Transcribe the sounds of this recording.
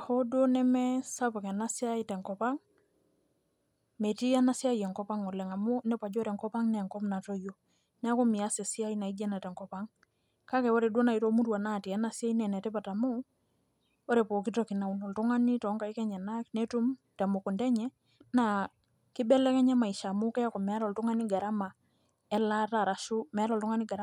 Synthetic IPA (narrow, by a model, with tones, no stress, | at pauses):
a˨hɔ˦do˦nɛ˦mɛ˦sa˦pa˨kɛ˨na˦si˦a˦i˨tɛ˨ŋkɔ˨pa˦ŋ | mɛ˨ti˦a˦na˦si˦a˦jɛ˨ŋkɔ˦pa˦ŋɔ˨lɛ˨ŋa˨mu˦nɛ˦pa˨d͡ʒɔ˦ɾɛ˨ŋkɔ˦pa˦ŋnɛ˨ŋkɔ˦mna˨tɔ˦jo˦ | nɛ˦kɔ˦mi˨a˦sɛ˨si˦a˦i˦na˨i˦d͡ʒɛ˦na˨tɛ˨ŋkɔ˨pa˦ŋ | ka˦kɛ˨ɔ˦ɾɛ˨do˦na˨i˨to˦mu˦ɾwa˨na˦˨ti˨a˦na˦si˦a˦i˦nɛ˨nɛ˨tɛ˦pa˨ta˨mu˦ | ɔ˦ɾe˨pɔ˨ki˦tɔki˨na˨u˨nɔ˨ltu˦ŋa˦ni˦tɔ˨˦ŋka˨i˦kɛ˦ɲɛ˨na˦knɛ˦tu˦mtɛ˨mo˨ku˨ndɛ˦ɲɛ˦ | na | ki˦bɛ˦lɛ˦kɛ˦ɲɛ˦ma˨i˨ʃa˨mu˦kɛ˦ja˦kɔ˨mɛ˨a˦ɾɔ˨ltu˦ŋa˦ni˦ɡa˨ɾa˦ma˨ | ɛ˦la˦ta˨ɾa˨ʃu˦mɛ˨a˦ɾɔ˨ltuŋa˦ni˦ɡa˨ɾa˦